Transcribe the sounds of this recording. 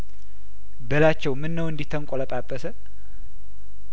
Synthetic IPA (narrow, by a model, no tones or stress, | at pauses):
bəlat͡ʃːɛwmɨnːəwɨnd̪it̪ʰːəŋkʼoləpʼapʼːəsə